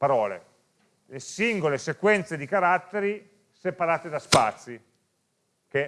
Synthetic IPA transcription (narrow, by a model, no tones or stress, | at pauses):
paɾɔːlḛ | lesiŋɡolesekwɛnt̪sed̪ikaɾat̪ːeɾi | sepaɾaːt̪ed̪aspa̰t̪sːi | ke